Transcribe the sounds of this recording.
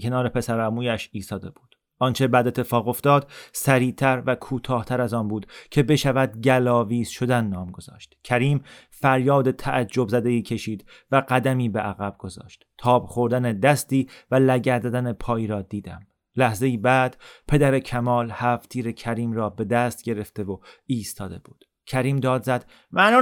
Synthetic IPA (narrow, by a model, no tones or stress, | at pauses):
cʲʰe̞nɒːɾe̞pʰe̞sæɾæmuːjæʃiːst̪ɒːd̪e̞b̥uːd̪̥ | ʔɒːnt͡ʃʰe̞bæd̪et̪ːefɒːɣo̞ft̪ɒːd̪̥sæɾiːt̪ʰæɾvækʰuːt̪ʰɒːht̪ʰæɾæzɒːnbuːd̪cʰe̞be̞ʃævæd̪ɟælɒːviːz̥ʃo̞d̪ænːɒːmɡo̞z̥ɒ̰ːʃt̪cʲʰæɾiːm | fæɾjɒːd̪e̞t̪ʰæʔæd͡ʒːo̞bzæd̪e̞iːcʰe̞ʃiːd̪ | væɢæd̪æmiːbeʔæɣæb̥̚ɡ̥o̞zɒ̰ːʃt̪t̪ʰɒːb̥χo̞ɾd̪æned̪æst̪iːvælæɟæɾd̪æd̪ænepʰɒːjiːɾɒːd̪iːd̪æ̰m | læhze̞jiːbæːd̪̥pʰe̞d̪æɾecʰæmɒːlhæːft̪ʰiːɾecʰæɾiːmɾɒːbe̞d̪æst̪̚ɟe̞ɾe̞ft̪e̞voiːst̪ʰɒːd̪e̞̰b̥uːd̪̥ | cʰæɾiːmd̪ɒːd̪zæd̪̥ | mænɒː